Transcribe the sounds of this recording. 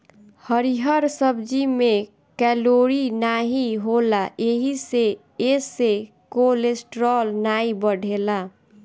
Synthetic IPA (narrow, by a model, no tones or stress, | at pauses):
həɾiɦəɾsəbd͡ʒime | kɛloɾinaɦiɦolaʔeɦise | ese | kolesʈɾɔlnaibəɽʱela